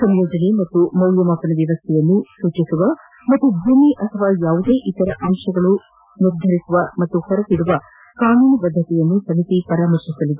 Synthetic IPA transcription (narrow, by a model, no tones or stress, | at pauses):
sɐmjoːd͡ʒɐnimɐt̪ːumɐwljɐmapɐnɐʋjɐʋɐst̪ʰɛjɐnːusuːt͡ʃisuʋɐ | mɐt̪ːubʱuːmiʔɐt̪ʰɐʋaːjaːʋud̪eːʔit̪ɐɾɐʔɐmʂɐɡɐɭu | niɾd̪ʱɐɾisuʋɐmɐt̪ːuhɐɾɐt̪iɽuʋɐ | kaːnuːnɐbɐd̪ʱːɐt̪ɛjɐnːusɐmit̪ipɐɾaːmɐɾt͡ʃisɐlid̪e